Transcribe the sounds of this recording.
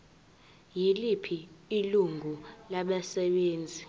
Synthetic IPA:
jilipʰiːluŋɡʱulaɓɛsɛɓeːnd͡zʱi

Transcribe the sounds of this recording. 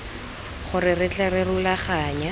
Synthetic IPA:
χʊrɪrɪt͡ɬɛrɪrʊlaχaːɲa

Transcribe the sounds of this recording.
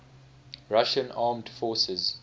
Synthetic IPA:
ɹaʃə̃nɑːmdfɔːsəz

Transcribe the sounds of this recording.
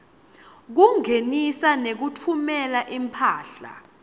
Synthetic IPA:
k̬uŋenisanek̬utʰumɛlaʔimpʰaːɬa̰

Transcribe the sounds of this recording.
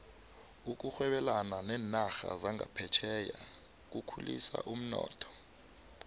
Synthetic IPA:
uk̬ʼuxwɛɓɛlananɛːnaxa̰zaŋʱa̰pʰɛt͡ʃʰɛja | k̬ukʰulḭsa̰ʔum̩nɔ̰ːtʰɔ̥

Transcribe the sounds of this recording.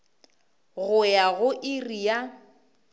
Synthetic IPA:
ɣʊjaɣʊʔɪrija

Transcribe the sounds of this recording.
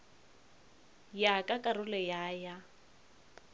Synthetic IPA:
jakʼakʼarʊlɛjaːja

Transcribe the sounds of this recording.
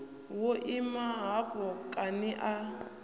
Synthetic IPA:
woʔimaɦakʼɔkʼanɪʔa

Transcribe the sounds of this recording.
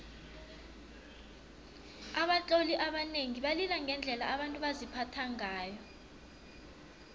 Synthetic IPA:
aɓat͡ɬʼoliʔaɓaneŋiɓalilaŋʱɛnd͡ɮʱɛlaaɓantʼuɓazipʰatʰaŋaːjɔ

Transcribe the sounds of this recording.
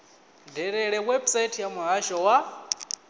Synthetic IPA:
dɛɾɛɺɛwɛbsatʰijamuɦaʃɔwa

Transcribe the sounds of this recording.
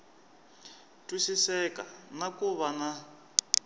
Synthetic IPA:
tʼusisɛkʼanakʼuβana

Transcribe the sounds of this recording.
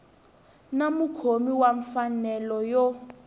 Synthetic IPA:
namukʰomiwaɱfanɛlɔjɔ

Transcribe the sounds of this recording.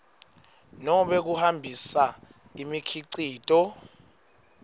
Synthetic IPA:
nɔɓek̬uhambʱisa | imikʰiǀiːtʼɔ

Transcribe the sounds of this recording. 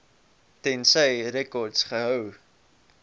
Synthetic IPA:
tɛnsəjɾɛkɔrdsχəɦœw

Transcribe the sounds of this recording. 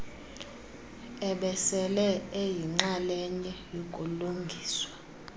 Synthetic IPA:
ɛɓɛsɛlɛejiŋ͡ǁalɛɲɛjokʼuluŋɡʱiːswa

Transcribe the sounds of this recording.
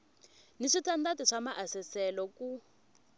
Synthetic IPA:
niʂitʰandatiʂamaʔasɛsɛlɔku

